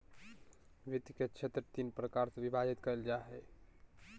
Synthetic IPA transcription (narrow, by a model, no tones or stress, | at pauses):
ʋit̪iket͡ʃʰet̪ɾət̪inpɾəkaɾseʋibʱad͡ʒit̪kəeld͡ʒaɦɛ